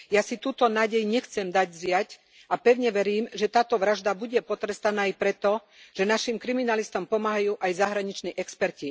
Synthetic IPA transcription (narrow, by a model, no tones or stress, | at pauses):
jasit̪uːt̪ɔnaːɟɛjɲɛxt͡sɛmd̪aɟzɪac | apɛʊɲɛʋɛɾiːmʒɛt̪aːt̪ɔʋɾaʒd̪abuɟɛpɔt̪ɾɛst̪anaːjpɾɛt̪ɔ | ʒ̥ɛnaʃimkɾiminalist̪ɔmpɔmaːɦajuːʔajzaɦɾaɲit͡ʃniːʔɛkspɛɾci